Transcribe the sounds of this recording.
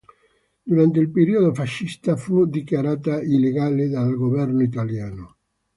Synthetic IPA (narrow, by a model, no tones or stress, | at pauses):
d̪uɾant̪eilpeɾiod̪ofaʃːist̪afud̪ikjaɾaːt̪aileɡaːled̪alɡovɛrnoit̪aljaːno